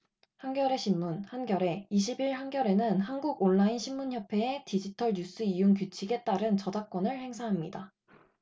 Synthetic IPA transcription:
hanɡjʌɾe̞ɕʰimːunhanɡjʌɾe̞iɕ̬ʰibiɭhanɡjʌɾe̞nɯnhanɡuɡoɭːainɕʰimːunçjʌpʰe̞ːtid͡ʑitʰʌɭɲus͈ɯijuŋkjut͡ɕʰiɡe̞t͈aɾɯnt͡ɕʌdak̚k͈wʌnɯɭhe̞ŋsʰaɦamɲida

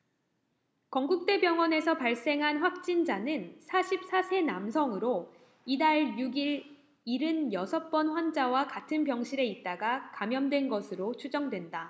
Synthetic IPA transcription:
kʌŋɡuk̚t͈e̞bjʌŋwʌne̞sʰʌpaɭs͈e̞ŋɦanɸwak̚t͡ɕ͈ind͡ʑanɯnsʰaɕʰip̚s͈asʰe̞namsʰʌŋɯɾo | idaɭjuɡiɾ | iɾɯnjʌsʰʌp͈ʌnɸwand͡ʑawakatʰɯnpjʌŋɕʰiɾe̞it̚t͈aɡakamjʌmdwe̞nɡʌsʰɯɾot͡ɕʰud͡ʑʌŋdwe̞nda

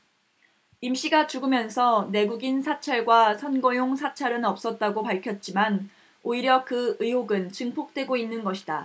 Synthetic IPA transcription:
imɕ͈iɡat͡ɕuɡɯmjʌnsʰʌne̞ɡuɡinsʰat͡ɕʰaɭɡwasʰʌnɡʌjoŋsʰat͡ɕʰaɾɯnʌp̚s͈ʌt̚t͈aɡopaɭkʰjʌt̚t͡ɕ͈iman | oiɾjʌkɯɯɦoɡɯnt͡ɕɯŋpʰok̚t͈we̞ɡoinːɯnɡʌɕʰi̥da

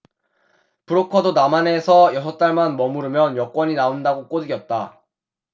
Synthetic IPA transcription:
pɯɾokʰʌdonamane̞sʰʌjʌsʰʌt͈aɭmanmʌmuɾɯmjʌnjʌk͈wʌɲinaondaɡok͈odɯɡjʌt̚t͈a

